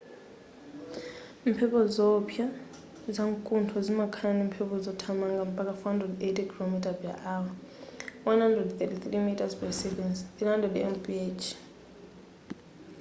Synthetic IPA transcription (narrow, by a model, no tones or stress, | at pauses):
m̩pʰɛpʰɔzɔpʰja | zaŋkʼuntʰɔzimakʰanim̩pʰɛpʰɔzɔtʰamaŋɡam̩pʼak̬ʼafɔhandrɛdetʼikʰilomitʼapa̰ʔawa | wanhandrɛdθɛtiθrimitʼazpɛsɛvɛnsilandɔdiɛmbiet͡ʃʰ